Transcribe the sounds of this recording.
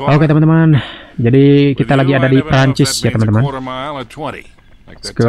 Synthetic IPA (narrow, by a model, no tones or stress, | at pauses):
okat̪əmant̪əmand͡ʒadikit̪alaɡiadadipɾaɲt͡ʃɪsjat̪əmant̪əman | skə